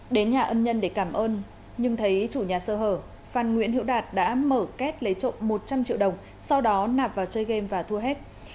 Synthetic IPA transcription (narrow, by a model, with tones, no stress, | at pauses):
ɗe˨˦nɲaː˨˩ʔəː˧nɲə˧nɗe˧˩kaː˧˩mʔəː˧n | ɲɨ˧ŋt̪ʰə˨˦jt͡ɕu˧˩ɲaː˨˩səː˧˩ɦəː˧˩ | faː˨˩nŋwḭ˧˥ənhḭ˧˥wɗaː˨˩t̚ɗa̰ː˧˥məː˧˩kɛ˦˥t̚lə˨˦jt͡ɕo̰˧˨nmo˨˩t̚t͡ɕa˧mt͡ɕḭ˧əwɗə˨˩wŋ͡m | sa˧wɗɔ˨˦naː˨˩p̚vaː˨˩wt͡ɕəː˧jɣe˧mvaː˨˩t̪ʰu˧əɦɛ˦˥t̚